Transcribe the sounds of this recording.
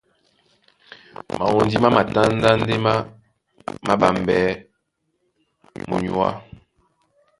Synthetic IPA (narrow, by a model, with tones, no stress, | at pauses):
ma̰˨wo˨ndi˦ma˦ma˨ta˦n˦da˦n̩˦de˦ma˦ | ma˦ba˨mbɛ˨˦ | mo̰˨ɲu˨˦a̰˦